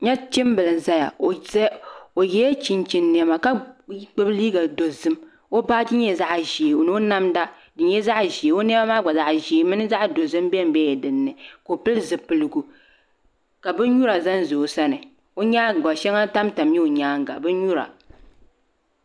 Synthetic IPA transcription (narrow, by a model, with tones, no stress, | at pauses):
ɲa˦t͡ʃi˦m˦bɨ˨lɨ˨n˨za˦ja̰˨˦ | o˨jɛ˦jɛ˦t͡ʃi˨nt͡ʃi˨nːi˨ɛ˦ma˨ka˦k͡pɨ˦bliː˦ɡa˨do˨zɨ˦m | o˦baː˦d͡ʒi˦ɲɛ˦za˦ʔʒi˨e˨o˨nɨ˦o˦na˦mda˦ | dɨ˨ɲɛ˦za˦ʔʒi˨e˨o˦n˦ma˦maː˦˨ɡ͡ba˨za˦ʔʒi˨e˨˦mɨ˦nɨ˦za˦ʔdo˨zɨ˦m˦bɛ˦m˨˦bɛ˦jɛ˨dɨ˨nːɨ˨ko˨pɨ˦lzɨ˨pɨ˨lɨ˨ɡu˨ | ka˨bɨ˦ɲu˦ɾa˨za˦n˦zo˨sa˦nɨ˨ | o˦ɲaː˦˨ɡɔ˨ʃɛ˦ŋa˦ta˦mta˨mɲɛ˦o˨ɲaː˦ŋ˦ɡa̰˨bɨ˦ɲu˦ɾa̰˨